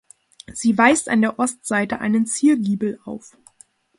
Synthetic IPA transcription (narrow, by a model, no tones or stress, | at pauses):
z̥iːvaɪsta̰ndeːɐʔɔstz̥aɪtəʔa̰ɪnənt͡siːɐɡiːbl̩a̰ʊf